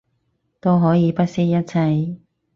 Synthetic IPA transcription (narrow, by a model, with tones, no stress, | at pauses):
t̪o˥wɦɔː˨˥jiː˨˧pɐ˥t̚si˥jɐ˥t̚t͡sʰɐ˧j